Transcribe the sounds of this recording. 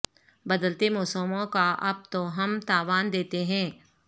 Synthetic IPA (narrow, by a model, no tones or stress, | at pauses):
bɐd̪əlt̪emɔːsəmõkaʔɐb̚t̪oɦɐmt̪aːʋaːnd̪eːt̪eɦɛ̃ː